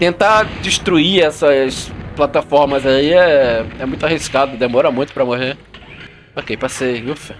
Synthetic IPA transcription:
t̪ẽnt̪ad͡ʒiʃt̪ɾuiɛsɐsplat̪afɔɾmɐzaiɛɛmũj̃t̪ʊaɦiskad̪ʊd̪emɔɾɐmũj̃t̪ʊpɾɐmoheɾ | okejpasejuf

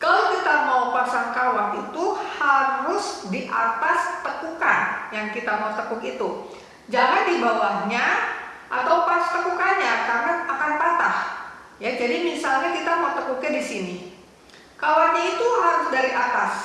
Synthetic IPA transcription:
kalowkit̪amaupasaŋkawanit̪uhaɾʊsdiʔat̪ast̪əkukanjaŋkit̪amaut̪əkukit̪u | d͡ʒaŋandibawahɲaʔat̪awpast̪əkukanɲakaŋanakanpat̪ah | jad͡ʒadimisalɲakit̪amaut̪əkukadisini | kawanɲait̪uɦaɾʊsdaɾiʔat̪as

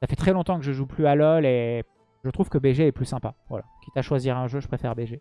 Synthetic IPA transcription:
safɛt̪χɛlɔ̃t̪ɑ̃kəʒəʒuplyalɔle | ʒət̪χuv̥kəbeʒeɛplysɛ̃pavwa̰lakʲit̪aʃwaziʁɛ̃ʒøʒəpχefɛʁbeʒe

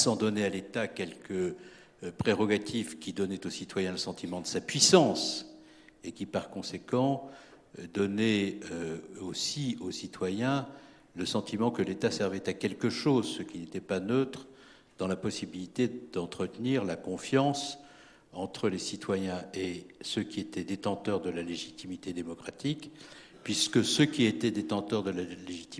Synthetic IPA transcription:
sɑ̃d̪ɔnealet̪akʲɛlkə | pχeʁɔɡat̪ifkʲid̪ɔnɛt̪osit̪wajɛ̃ləsɑ̃t̪ʰimɑ̃d̪əsapɥisɑ̃s | ekʲipaʁkɔ̃sekɑ̃ | d̪ɔnɛøosiosit̪wajɛ̃ | ləsɑ̃t̪imɑ̃kəlet̪asɛʁvɛt̪akʲɛlkəʃozsəkʲinet̪ɛpanøt̪χə | d̪ɑ̃lapɔsibilit̪ed̪ɑ̃t̪χət̪niʁlakɔ̃fjɑ̃s | ɑ̃t̪χəlesit̪wajɛ̃esøkʲiet̪ɛd̪et̪ɑ̃t̪œʁd̪əlaleʒit̪imit̪ed̪emɔkχat̪ik | pɥiskəsøkʲiet̪ɛd̪et̪ɑ̃t̪œʁd̪əlaleʒit̪i

